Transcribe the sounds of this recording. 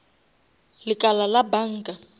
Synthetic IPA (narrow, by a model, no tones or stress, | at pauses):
lɪkʼalalabaŋ̩kʼa